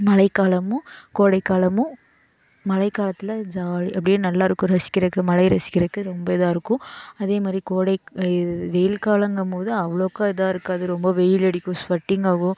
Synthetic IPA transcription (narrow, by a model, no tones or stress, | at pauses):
mɐlɐɪkːaːlɐmʊ̃koːɽɐɪkːaːlɐmʊ̃ | mɐlɐɪkːaːlɐt̪ːɯlɐd͡ʒaːliʔɐpːɐɽɪjnɐlːaːɪɾɯkːʊ̃ɾɐsɪ̥kːɪɾɐkːɯmɐlɐɪɾɐsɪ̥kːɪɾɐkːɯɾɔmbɐɪðaːɪɾɯkːʊ̃ɐðeːmaːd̪ɾikoːɽɐɪɪʋɛjɪlkaːlɐŋɡɐmpoːðɯɐʋɐɭoːkːãɪðaːɪɾɯkːaːðɯɾɔmbɐʋɛjɪlɛɽɪkʲːʊ̃sʋɐʈːɪŋɡaːɣʊ̃